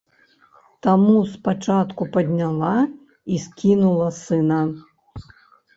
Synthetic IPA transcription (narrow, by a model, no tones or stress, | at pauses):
t̪amuspat͡ʂat̪kupɐd̪ʲnʲalˠa | iskʲinulˠɐsɨnɐ